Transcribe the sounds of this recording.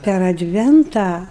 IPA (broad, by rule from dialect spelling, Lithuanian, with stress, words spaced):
pʲɛr ɐdʲˈʋʲɛntɑː